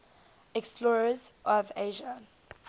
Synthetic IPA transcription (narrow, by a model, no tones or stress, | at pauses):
ɛkspʰlɔɹəzʔɔveːʒə